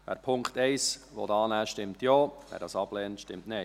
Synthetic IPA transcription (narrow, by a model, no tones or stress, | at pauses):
ʋæ̰ːɾpʰʊŋkχtɛɪsʋo̰dɑːnæːʃtɪmtjoːʋæ̰ːɾd̥ɑːsɑb̥lɛːntʃtɪmtnɛ